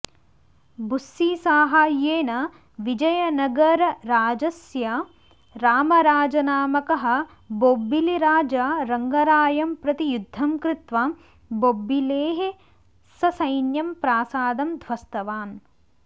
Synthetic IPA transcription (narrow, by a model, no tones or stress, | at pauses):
busːiːsaːɦaːjeːnɐ | ʋid͡ʒɐjɐnɐɡɐɾːaːd͡ʒɐsjɐ | ɾaːmɐɾaːd͡ʒɐnaːmɐkɐɦɐ̆ | bobːiliɾaːd͡ʒaːɾɐŋɡɐɾaːjɐmpɾɐt̪ijud̪ʱːɐmkɾɪt̪ʋa | bobːileːɦe | sɐsɐjnjɐmpɾaːsaːd̪ɐmd̪ʱʋɐst̪ɐʋaːn